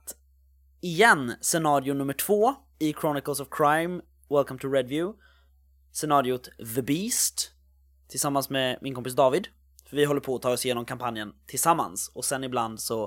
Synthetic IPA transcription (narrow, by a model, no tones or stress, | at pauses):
t̪ | ɪjɛnsɛnɑːɾɪʊnɵmːəʈʰv̥oː | ɪkʰɾɔnɪkəls̬ɔvkʰɾajm | wɛlkamt̪ʰʊɹɛd̪vjʉː | sɛnɑːɾɪʊt̪ðəbiːst̪ʰː | ɪlsamːansmemɪnkɔmpɪsd̪ɑːvɪd̪ | fœɾvɪɦɔlːəɾpʰɔːt̪ʰɑːɾɔsjeːnɔmkʰampʰanjənt̪ʰɪlsamːa̰nsɔsɛnɪbland̪sɔ